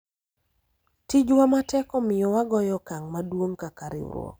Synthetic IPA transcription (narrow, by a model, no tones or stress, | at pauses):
tid͡ʒwamatɛkɔmɪjɔwaɡɔjɔkaŋmadwoŋkakaɾɪ̰w̰ɾwo̰